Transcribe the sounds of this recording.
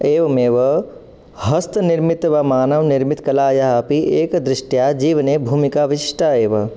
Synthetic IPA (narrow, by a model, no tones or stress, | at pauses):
eːʋɐmeːʋɐ | ɦɐst̪ʰnɪɾmɪt̪ʋamaːnɐʋnɪɾmit̪kɐlaːjaɦapiʔeːkd̪ɾɪʃʈjaːd͡ʒiːʋənebʱuːmikaʋɪʃɪ̥ʂʈʰaeːʋɐ